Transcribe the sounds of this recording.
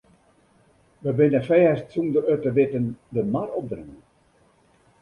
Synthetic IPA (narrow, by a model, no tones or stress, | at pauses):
ʋəbɪnəfɛəstsumdəɾøtəʋɪtəndəmarɔp̚drəŋən